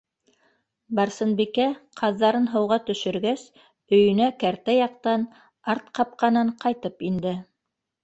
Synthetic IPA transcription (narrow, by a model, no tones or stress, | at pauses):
bɑɾsɤ̆nbikæqʰɑðːɑɾɤnɦɤ̆wʁɑt̪ɵ̆ʃɵ̆ɾɡæs | ɵ̆jɵ̆nækæɾt̪æjɑqt̪ɑn | ɑɾt̪qɑp̚qɑnɤɴqɑjt̪ɤpind̪ɘ